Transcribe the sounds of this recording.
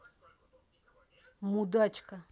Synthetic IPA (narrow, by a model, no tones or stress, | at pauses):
mud̪at͡ʃka